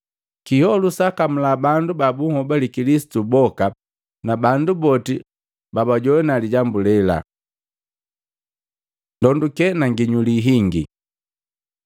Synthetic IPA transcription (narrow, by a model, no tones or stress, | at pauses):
kihɔlusakam̩labandubabuŋhɔbalikilisi̥tubɔka | nabandubɔti | babaɟɔwɛnaliɟambulɛla̰ | ndɔndukɛnaŋɡiɲuliɦiŋɡḭ